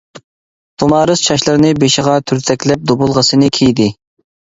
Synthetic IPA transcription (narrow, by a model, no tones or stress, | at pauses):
t̪ʰomɑːɾɨst͡ʃʰɑʃlˠɨɾnɨbeʃɪʁɑt̪ʰyɾt̪ʰɛkʲlɛp̚d̪obʊlˠʁəsɨnɨkʲʰejd̪ɪ